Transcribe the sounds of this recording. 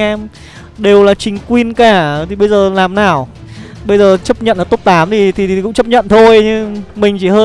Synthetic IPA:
ɛ˧m | ɗe˨˩wlaː˨˩t͡ɕï˨˩ŋ̟kwi˧ənkaː˧˩t̪ʰi˨˩ɓə˧jzəː˨˩laː˨˩mnaː˨˩w | ɓə˧jzəː˨˩t͡ɕə˦˥p̚ɲə̰˧˨nʔaː˨˩t̪o˦˥p̚t̪aː˨˦mzi˨˩t̪ʰi˨˩˨kʊ̰˧˥ŋ͡mt͡ɕə˦˥p̚ɲə̰˧˨nt̪ʰo˧jɲɨ˧mï˨˩ŋ̟t͡ɕi˧˩həː˧

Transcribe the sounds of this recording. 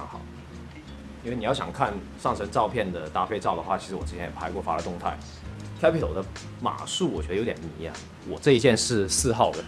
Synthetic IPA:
ɑ˧˥ŋxɑ̰˨˩ʊ | i˥nwe˥˩ɪni˩jɑ˥˩ɕɑ˨˩ŋkʰa˥˧n | ʂɑ˥˩ŋʈ͡ʂʰə˧˥ŋʈ͡ʂɑ˥˧ʊpʰjɛ˥˩nd̪ə˩t̪a˥fe˥˧ɪʈ͡ʂɑ˥˩ʊd̪ə˩xwa̰˥˩t͡ɕʰi˧˥ʂɻ̩˧˥wɔ˨˩ʈ͡ʂ̩˥t͡ɕʰjɛ˧˥njɛ˨˩pʰa˧˥ɪkwɔ˥˩fa˥lə˧t̪ʊ˥˧ŋt̪ʰa̰˥˩ɪ | kʰa˥pʰi˥˩o˨˩ʊd̪ə˦ | ma̰˨˩ʂu˥˩wɔ˨˩t͡ɕɛ˧˥d̪ə˧o˧˥ʊt̪jɛ˨˩nmi˧˥a̰˨˩ | wɔ˨˩ʈ͡ʂɤ˥˧i˥t͡ɕjɛ˥˧nʂɻ̩˥˧sɹ̩˥˧xɑ˥˩ʊd̪ə˩

